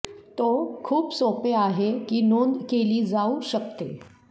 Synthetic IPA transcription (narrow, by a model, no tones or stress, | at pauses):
t̪okʰuːpsopeaɦekiːnond̪keliːd͡zauɕəkt̪e